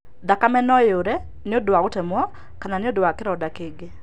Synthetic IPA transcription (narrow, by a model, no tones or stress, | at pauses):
d̪akamɛnɔjoɾɛ | nɪodwakʊtɛmwɔ | kananɪodwakɪɾɔdakɪɡɪ